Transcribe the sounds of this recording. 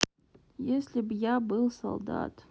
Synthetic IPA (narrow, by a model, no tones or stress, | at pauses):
jesʲlʲɪbjabɨlˠsɐ̰lˠd̪a̰t̪